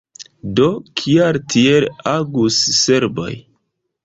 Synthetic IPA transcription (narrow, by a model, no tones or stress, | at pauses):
do̞kʰiaɾtʰielaɡusːeɾbo̞̰j